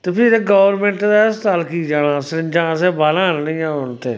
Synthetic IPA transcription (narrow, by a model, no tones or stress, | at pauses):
t̪eːpʰɪɾeɡɔːʋəɾmẽːɳʈd̪ast̪aːlkiːd͡ʒaːɽ̃ãːsɪɾd͡ʒãːs̬ɛːbaːlãːnnəĩãːʊnt̪ḛː